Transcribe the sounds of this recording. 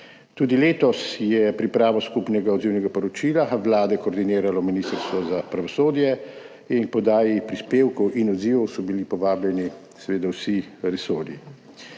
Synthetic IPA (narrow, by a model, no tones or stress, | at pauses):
t̪uːd̪ileːt̪ɔsjɛpɾipɾaːʋɔskupnɛɡaɔd̪ziwnɛɡapɔɾɔt͡ʃiːlaʋlaːd̪ɛkɔːɾd̪iniːɾalɔminist̪əɾst̪ʋɔzapɾaʋɔsoːd̪jɛ | inkpɔd̪aːjipɾispeːwkɔwʔinɔd̪ziːʋɔwsɔbilipɔʋaːblɛni | sɛʋeːd̪awsiɾɛso̰ːɾḭ